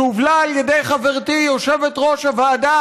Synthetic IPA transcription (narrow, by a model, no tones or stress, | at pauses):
uvlaːljedejχaveʁt̪ijo̞ʃevet̪ʁo̞ʃavaːda